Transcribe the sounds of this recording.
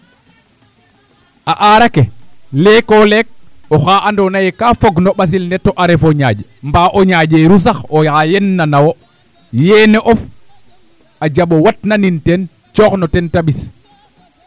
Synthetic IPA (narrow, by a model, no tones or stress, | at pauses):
ʔaʔaːɾakɛlɛkɔlɛk̚ɔxaʔandɔnajɛkaːfɔɡnɔɓas̬ilndɛtːɔʔaɾɛfɔɲaːd͡ʒɛmbaʔɔɲad͡ʒɛɾus̬axɔjaajɛnːanawɔ | jɛːnɛʔɔf | ʔad͡ʒaɓɔwatnanintɛn | t͡ʃɔːxnɔtɛntaɓis